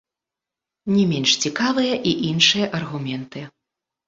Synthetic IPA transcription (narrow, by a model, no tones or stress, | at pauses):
nʲɛmʲɛnʂt͡sʲikavɨjɐʔiʔinʂɨjɐʔɐrɣumʲɛnt̪ɨ